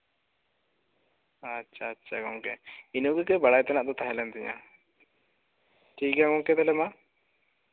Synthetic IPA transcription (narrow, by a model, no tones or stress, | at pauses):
atːt͡ʃʰaːtːʃʰaɡɔŋkɛinuɡɛkɛbaɽajt̪ɛnaʔd̪ɔt̪aɦɛlɛnt̪iɲa̰ | ʈʰiɡãŋɔŋkɛd̪ɛlɛma